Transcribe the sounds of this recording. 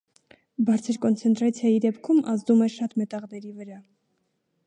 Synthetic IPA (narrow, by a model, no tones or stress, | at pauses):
bɑɾt͡sʰəɾkɔnt͡sʰɛnt̪ɾɑt͡sʰjɑjid̪ɛpkʰumɑzd̪umɛʃɑt̪mɛt̪ɑʁd̪ɛɾivəɾɑ